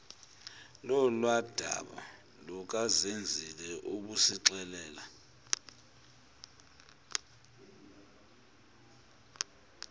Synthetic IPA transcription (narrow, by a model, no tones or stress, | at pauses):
lɔlwad̥ʱa̰ɓa̰ | lɔk̬azend͡zʱilɛʔuɓusiǁɛlɛːla